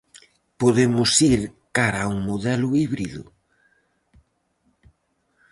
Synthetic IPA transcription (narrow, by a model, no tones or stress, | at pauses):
poðemʊsiɾkaɾauŋmoðɛlʊiβɾiðʊ̰